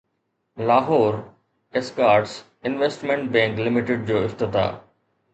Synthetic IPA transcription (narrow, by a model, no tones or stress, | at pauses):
laːɦɔːɾ | eskaːɾʈs | ɪnʋesʈmẽɳʈ̚bɛ̃ːŋklɪmɪʈɪɖ̚d͡ʑoːɪft̪ɪt̪a̰ː